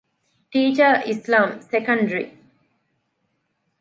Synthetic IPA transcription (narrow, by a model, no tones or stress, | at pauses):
ʈiːt͡ʃəislãːmsekɐ̃ɳɖəɾḭ